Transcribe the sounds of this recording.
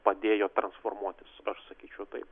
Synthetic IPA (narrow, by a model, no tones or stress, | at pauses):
pɐd̪ʲeːjoːt̪ɾɐnsfoːrmuɔt̪ʲɪsɐʃsɐkʲiːt͡ʃʲɛʊt̪ɐɪp